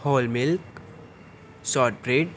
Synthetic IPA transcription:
hoːlmɪlk | sɔʈ̚bɾeɖ

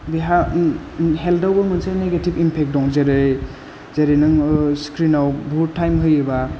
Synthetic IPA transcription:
biɦa | ɦeldawbɐmɯnsajneɡetibimpʰek̚dɔŋzeɾɯ | zeɾɯnɯŋskɾinawbʱutʰːajmɦɯjɯba

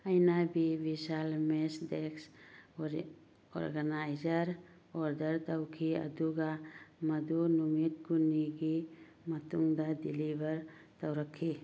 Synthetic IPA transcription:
ajnabibisalmesdeks | ɔ̰ɾɡanajzəɾ | ɔɾdəɾt̪awkʰiɐ̰d̪uɡamɐd̪unumit̪̚ɡuniɡi | mɐt̪uŋd̪adilibəɾt̪awɾakʰːi

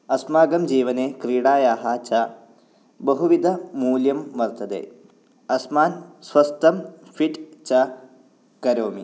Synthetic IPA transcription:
ɐsmaːɡɐmd͡ʒiːʋɐneːkɾiːɽaːjaːɦaːt͡ʃɐ | bɐɦuʋid̪ʱɐmuːljɐmːɐɾt̪ɐd̪ḛː | ɐsmaːnsʋɐst̪ɐmfʰiʈt͡ʃɐ | kɐɾoːmi

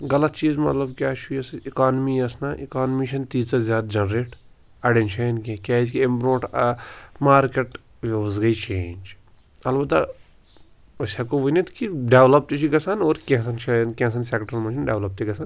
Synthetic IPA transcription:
ɡɐlɐt̪t͡ʃiːzmɐt̪lɐbkjaːt͡ʃʰujɐsikaːnmiɐsnaʔikaːnmiʃɐnt̪iːzsɐzjaːd̪d͡ʒɐnɾeːʈ | ɐɖenʃɐnkːkʲaːis̬kiempɾoːʈ | maːɾkeʈ | ʋʋɐsɡɐit͡ʃẽːnʲd͡ʒ | ɐlbɐt̪ːɐ̰ | ɐsakoʋinit̪kiɖeːʋlɐp̚t̪it͡ʃʰiɡɐsanoːɾkẽs̬ɐnʃankʲẽːs̬ɐnseːkʈɐɾlmɐ̃nʃinɖeːʋlɐp̚t̪iɡɐsan

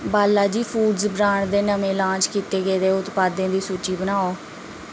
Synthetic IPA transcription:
baːlːaːd͡ʒiːpʰuːɖzbɾaːɳd̪eːnəmẽːlãːt͡ʃkiːt̪eːɡeːd̪eːʊt̪paːd̪ẽːd̪iːsuːt͡ʃiːbənaːoː

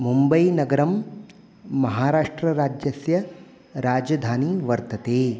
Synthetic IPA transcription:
mumbɐjnɐɡɐɾɐmː | ɐɦaːɾaːʂʈɾɐɾaːd͡ʒjɐsjɐ | ɾaːd͡ʒɐd̪ʱaːniʋɐɾt̪ɐt̪eː

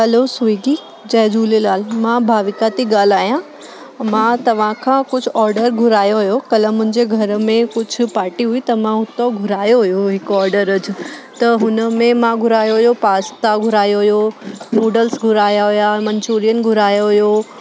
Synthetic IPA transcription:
ɦɐlosʊiːɡi | d͡ʑɐːd͡ʑuːlelaːlmãbʱaːʋɪkat̪iɡaːl̤aːjã | mãt̪ɐʋ̤ãkʰãːkʊd͡ʑʱʊ̆ɔːɾɖəɾɡʱʊɾaːjoɦʊjokɐləmʊ̃ɦɪ̃ɲd͡ʑeɡʱɐɾmẽkʊd͡ʑʱʊ̆paːɾʈiɦʊit̪ɐmãɦʊt̪oɡʱʊɾaːjoɦʊjoɦɪkɔːɾɖəɾɐd͡ʑʊ̆t̪ɐɦʊnə̆mẽmãɡʱʊɾaːjoɦʊjopaːst̪aɡʱʊɾaːjoɦʊjonuːɖəlsɡʱʊɾaːjaɦʊjamɐ̃ɲt͡ɕuːɾijənɪ̆ɡʱʊɾaːjoɦʊjo

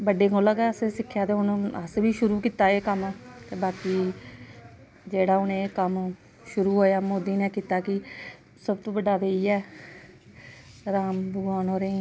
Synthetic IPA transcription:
bəɖeːɡoːləɡɛːəsesɪkʰːjaːt̪eːɦʊnəsbiːʃʊɾuːkiːt̪aːeːkəmt̪eːbaːkiː | d͡ʒeːɽaːʊnẽːkəm | ʃʊɾuːɦoːjaːmoːd̪iːnɛːkiːt̪aːkɪ | səbt̪õːbəɖaːd̪eːiːɛː | ɾaːmbəɡaːnoːɾẽː

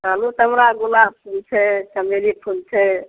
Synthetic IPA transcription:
ɦəlut̪əmɾaɡulapʰult͡ʃʰɛt͡ʃəmelipʰult͡ʃʰɛ

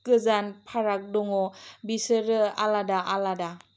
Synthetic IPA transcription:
kɯzanpʰaɾak̚dɔŋɔbisəɾɯa̰ladaʔalada

